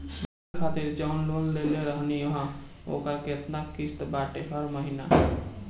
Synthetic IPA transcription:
sɾ | kʰaːt̪iɾd͡ʒaːnloːlleleɾəɦniɦão̰ːkəɾket̪nakist̪baːʈeɦʰəɾməɦina

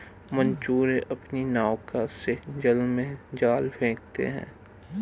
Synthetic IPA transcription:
mə̃nt͡ʃuːɾeʔɐpninaːwkased͡ʒəlmẽd͡ʒaːlbʱẽːk̚t̪ḛɦɛ̰̃ː

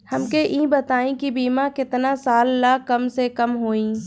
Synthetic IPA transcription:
hɐmkeʔĩːbɐt̪aːẽkibiːmakɪt̪nasaːlːaːkːɐmsekɐmɦoːĩː

